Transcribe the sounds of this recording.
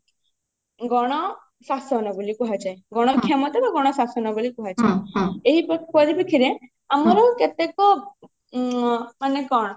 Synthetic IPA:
ɡɔɽ̃ɔ | sasɔnɔbolikuɦat͡ʃajɡɔɽ̃ɔɾkʰamɔt̪ɔbaɡɔɽ̃ɔsasɔnɔbolikuɦat͡ʃajeɦipɔpɔɾibikʰiɾe | amɔɾɔket̪ekɔ | manekɔɽ̃ɔ

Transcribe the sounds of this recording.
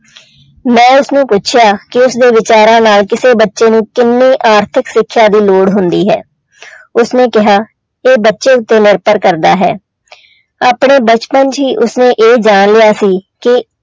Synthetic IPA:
mɛ̃ːʊsnũːpʊt͡ʃʰjaːkɪʊsd̪eːʋɪt͡ʃaːɾãːnaːlkɪseːbətːʃeːnũːkɪnːeːʔaːɾt̪ʰɪksɪkʰːjaːd̪iːloːɽɦʊnd̪iːɦɛ̰ː | ʊsneːkɪɦaː | eːbətːʃeːʊt̪ːeːnɪɾpəɾkəɾd̪aːɦɛ̰ː | aːpɳeːbət͡ʃpənd͡ʒɦiːʔʊsneːʔeːd͡ʒaːnlɪjaːsiːkɪ

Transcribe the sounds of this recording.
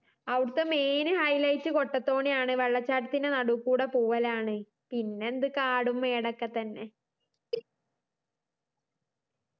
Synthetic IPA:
ɐʋɽɨt̪ːeme̞ːnɨhɐjlɐjtːɨko̞ʈːɐt̪ːo̞ːɳijaːɳɨʋeɭːɐt͡ɕːaːʈɐt̪ːinenɐɽukːuːɽepuːʋɐlaːɳɨ | pinːe̞nd̪ɨkaːɽumːe̞ːɽɐkːɐt̪ːɐnːe̞

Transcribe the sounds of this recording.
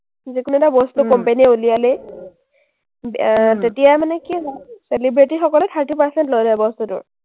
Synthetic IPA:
zikunuɛtabɔstukɔmpeniɛulijalɛ | btetijamanɛkiselibɹitixɔkɔlɛtʰaɹtipaɹsɛntlojdaɛbɔstutʊ̰ɹ

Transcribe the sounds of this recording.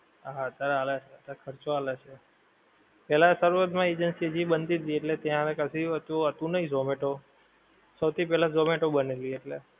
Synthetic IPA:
aaət̪jaɾealat͡ʃʰet̪akʰəɾt͡ʃoalat͡ʃʰe | pɛɦlasəɾʋəd̪mãed͡ʒənsiəd͡ʒibənt̪id̪ieʈlet̪jãekəsiət̪uət̪ũnəĩzomeʈo | səwt̪ʰipɛɦlazomeʈobənelieʈle

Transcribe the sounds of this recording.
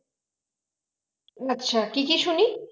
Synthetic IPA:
aʃʰakɪkɪʃʊni

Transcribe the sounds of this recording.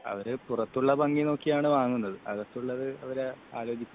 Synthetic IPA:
ɐ̰ʋɐɾɨpurɐt̪ːuɭːɐbɐŋɡino̞ːkːijaːɳɨʋaːŋːunːɐðɨɐɣɐst̪ːuɭːɐðɨɐʋɐɾeaːlo̞ːd͡ʑikʲːu

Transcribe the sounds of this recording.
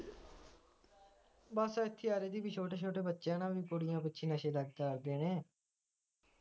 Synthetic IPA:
baːsaːɪt̪ʰːeːaːɾeːd̪iːbiːt͡ʃʰoːʈeːt͡ʃʰoːʈeːbətːʃãːnãːʋiːkoːɽɪjãːpətːʃʰĩːnəʃeːləɡd̪aːɾd̪eːnẽː

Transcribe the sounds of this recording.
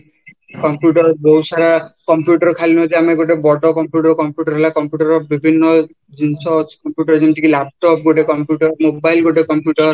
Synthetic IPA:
kɔmpjuʈɔɾɡowsaɾakɔmpjuʈɔɾɔkʰalintiameɡoʈebɔʈɔkɔmpjuʈɔɾkɔmpjuʈɔɾɦelakɔmpjuʈɔɾɔbibʱinːɔ | d͡ʒinsɔt͡ʃʰkɔmpjuʈɔɾd͡ʒenʈikilap̚ʈɔp̚ɡoʈekɔmpjuʈɔɾmobajlɡoʈekɔmpjuʈɔɾɾ

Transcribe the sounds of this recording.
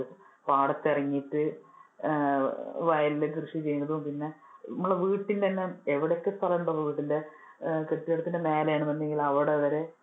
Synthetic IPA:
paːɽɐtːɐriŋːiʈːɨ | ʋɐjɐlːkrɨʂit͡ɕe̞jːunːɐðupinːe̞ | ɐmːɐɭʋiːʈːint̪ɐnːe̞eʋiɽekːɨst̪ʰɐlɐuɳɖɐlːɐʋiːʈːinde | keʈːiɐɽɐt̪ːindeme̞ːlɐjaːɳumɐnːeŋɡilɐʋiɽeɐʋɐɾe

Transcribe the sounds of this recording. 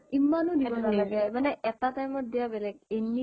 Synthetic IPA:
imːanʊnibɔnaaɡɛmanɛʔɛtatajmɔt̚dijabɛlɛɡeni

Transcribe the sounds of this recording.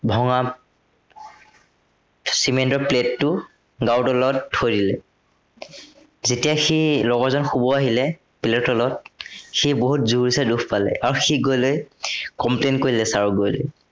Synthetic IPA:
bʱɔŋa | simendɔpletːʊ | ɡawtɔlɔt̚ːʰojdilɛ | zetijaxilɔɡɔɹzɔnxubɔaɦilɛ | piletɔlɔt̚xiboɦutzuɹisadukpalɛ̰ʔaɹuxiɡojlojkɔmplenkoɹilɛsaɹuɡojlo̰j

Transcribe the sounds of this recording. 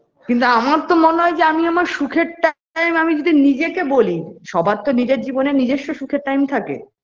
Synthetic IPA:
kint̪̬uamaɾt̪omoneɦɔed͡ʑeamiamaɾʃukʰeɾʈa | jmamid͡ʑod̪ʱinid͡ʑekeboliʃɔbʱaɾt̪onid͡ʑeɾd͡ʑibonenid͡ʑeʃːoʃukʰeɾʈajmt̪ʰakḛ

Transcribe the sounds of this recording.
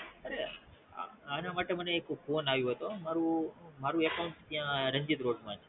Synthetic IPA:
əɾe | a̰ənamaʈeməneːkpʰoːnaʋjũɦət̪omaɾũmaɾuekauɳʈt̪jãɾəɲd͡ʒit̪ɾoːʈmãe

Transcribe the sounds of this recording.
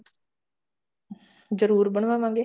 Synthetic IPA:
zəɾuːɾbəɳ̃ʋãːʋãːŋɡeː

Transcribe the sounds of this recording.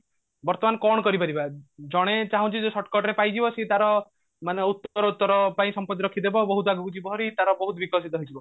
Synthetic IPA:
bɔɾt̪ɔmankɔɽ̃ɔkɔɾipaɾibad͡ʒɔɽ̃et͡ʃaɦũt͡ʃʰid͡ʒesɔʈkɔʈɾepajd͡ʒibɔset̪aɾɔ | maneut̪ːɔɾɔut̪ːɔɾɔpaĩsɔmpɔt̪ːiɾɔkʰid̪ebɔbɔɦut̪aɡukud͡ʒibɔɦɔɾit̪aɾɔbɔɦut̪ɔbikɔsit̪ɔɦɔjd͡ʒibɔ

